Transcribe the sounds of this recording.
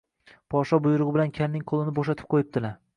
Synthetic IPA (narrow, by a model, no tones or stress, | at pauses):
pʰɒʃɒbʊjʊɾʊʁɨbɪlankʲʰannɪŋqʰolˠɪnɪboʃat̪ʰɪ̥p̚qʰojɪp̚d̪ɪla